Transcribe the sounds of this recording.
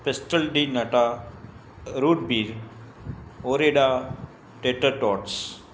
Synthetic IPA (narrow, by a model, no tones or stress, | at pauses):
pesʈəlɖinɐʈa | ɾuːɖ̚biːɾ | oːɾeɖa | ʈeːʈəɾʈɔːʈs